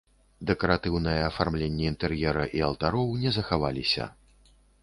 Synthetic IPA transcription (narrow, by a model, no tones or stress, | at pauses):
d̪ɛkɐɾat̪ɨwnɨjɐːfarmlʲenʲːɛint̪ɛrjɛɾɐʔialˠt̪aɾɔwnʲɛzɐxavalʲisʲɐ̰